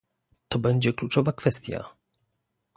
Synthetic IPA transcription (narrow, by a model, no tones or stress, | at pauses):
t̪ɔbɛɲd͡ʑɛklut͡ʂɔvakfɛst̪ʲja̰